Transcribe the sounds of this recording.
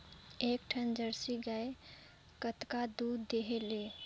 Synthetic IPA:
ekʈʰənd͡ʒəɾsiɡae | kət̪kad̪ud̪ːeɦele

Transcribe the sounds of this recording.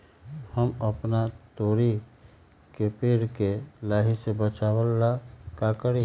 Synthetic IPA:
həməpnat̪oːɾi | kepeɾkelaːɦisebət͡ʃaːwəlːakakəɾi

